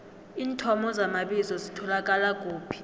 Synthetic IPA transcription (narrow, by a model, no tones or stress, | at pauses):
iːntʰɔmɔzamaɓizɔzitʰɔlak̬ʼalakʼoːpʰi̥